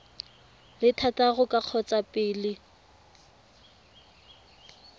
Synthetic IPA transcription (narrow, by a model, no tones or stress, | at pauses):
lɪtʰataɣʊkʼaq͡χʰɔt͡sʼapʼɪːlɪ